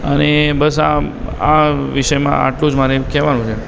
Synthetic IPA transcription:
ənebəs̬a̰aʋiʃəjmã̰ʔa̰ʈlũd͡ʒmaɾekɛʋanũt͡ʃʰe

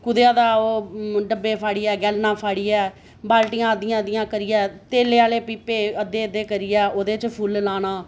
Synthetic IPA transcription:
kʊd̪ejãːd̪aːoːɖəbːeːpʰaːɽiːɛːɡɛlnãːpʰaːɽiːɛː | baːlʈijãːəd̪ɪjãːd̪ɪjãːkəɾɪjɛːt̪eːleːaːleːpiːpeːəd̪eːəd̪eːkəɾɪːɛːoːd̪eːt͡ʃpʰullaːnaː

